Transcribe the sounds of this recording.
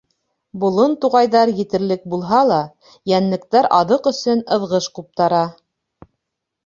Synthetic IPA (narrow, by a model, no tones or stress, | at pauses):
bŏlˠɤnt̪uʁɑjðɑɾjɘ̆t̪ɘ̆ɾlɘk̚bulˠɦɑlˠɑ | jænlɘ̆kt̪æɾɑðɤqɵ̆sɵnɤ̆ðʁɤʃqup̚t̪ɑɾɑ